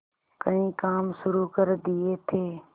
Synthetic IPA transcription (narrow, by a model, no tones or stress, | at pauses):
kɐĩkaːmʃʊɾukəɾd̪iet̪ʰeː